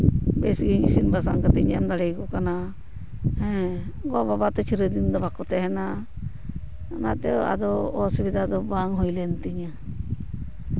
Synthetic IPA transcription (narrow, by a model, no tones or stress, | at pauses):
bɛsɡiɲisinbasaŋkat̪ɛɲamd̪aɽɛjkɔkana | hɛ̃ | ɡɔababat̪ɔt͡ʃʰiɾəd̪ind̪ɔbakɔt̪ɛɦɛna | nat̪ɛa̰d̪ɔɔsubid̪ʱad̪ɔbaŋɦɔjlɛnt̪iɲa